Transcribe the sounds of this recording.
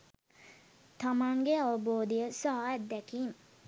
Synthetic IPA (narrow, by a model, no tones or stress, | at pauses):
t̪amaŋɡeaʋəboːd̪ijəsaɦaɛt̪̚d̪ɛkim